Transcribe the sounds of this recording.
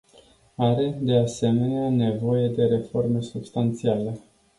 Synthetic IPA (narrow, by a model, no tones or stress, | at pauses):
aɾe̞d̪e̞ase̞me̞neane̞vo̞je̞d̪e̞ɾe̞fo̞rme̞subst̪ant̪siale̞